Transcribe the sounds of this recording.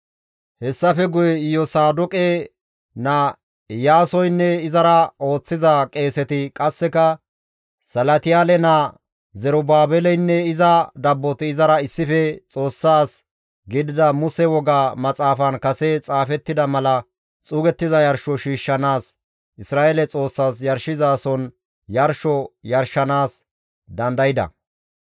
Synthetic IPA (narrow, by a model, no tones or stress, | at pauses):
hɛsːɐfɛɡʊjɛɪjɔsaːd̪ʊkʼe | nɐ | jaːsɔjnːɛɪzɐɾɐo̞ːt͡sːɪzɐkʼe̞ːsɛt̪ɪkʼɐsːɛkɐ | sɐlɐt̪ɪjaːlɛnɐ | zɛɾɔbaːbɛlɛjnːɛɪzɐd̪ɐbːɔt̪ɪɪzɐɾɐɪsːɪfɛt͡sʼo̞ːsːaːs | ɡɪd̪ɪd̪ɐmʊsɛwɔɡaːmɐt͡sʼaːfɐnkɐsɛt͡sʼaːfɛt̪ːɪd̪ɐmɐlɐ | t͡sʼuːɡɛt̪ːɪzɐjɐɾʃɔʃiːʃːɐnaːs | ʔɪsɾaːelɛt͡sʼo̞ːsːaːsjɐɾʃɪzaːsɔn | jɐɾʃɔjɐɾʃɐnaːs | d̪ɐnd̪ɐjɪd̪ɐ̰